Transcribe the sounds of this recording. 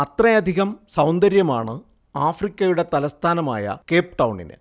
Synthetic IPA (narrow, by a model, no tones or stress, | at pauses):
ɐt̪rɐjɐd̪ʱiɣɐmsɐwnd̪ɐɾjɐmaːɳɨ | aːfrikʲːɐjuɽe̞t̪ɐlɐst̪ʰaːnɐma̰ːjɐ̰ke̞ːpʈɐwɳḭnɨ̰